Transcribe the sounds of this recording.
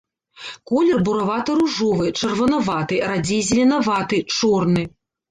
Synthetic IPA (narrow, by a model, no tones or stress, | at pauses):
kɔlʲɛrbuɾɐvat̪ɨɾuʐɔvɨt͡ʂɐrvɐnɐvat̪ɨɾad͡zʲijzʲɪlʲinɐvat̪ɨt͡ʂɔrnɨ